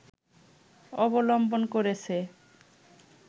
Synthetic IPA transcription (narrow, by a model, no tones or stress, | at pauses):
ɔbolɔmbonkoɾet͡ɕʰe